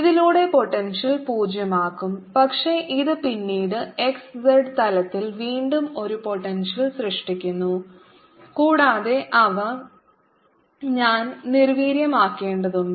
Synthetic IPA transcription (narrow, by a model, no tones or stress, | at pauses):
iðiluːɽe̞po̞ʈːenʂɐlpuːd͡ʑjɐmaːkːumpɐkʂe̞ʔiðɨpinːiːɽɨe̞ksseɖt̪ɐlɐt̪ːilʋiːɳɖumo̞ɾupo̞ʈːenʂɐlɕrɨʂʈikʲːunːu | kuːɽaːðe̞ʔɐʋɐ | ɲaːnniɾʋiːɾjɐmaːkːe̞ːɳɖɐðuɳɖɨ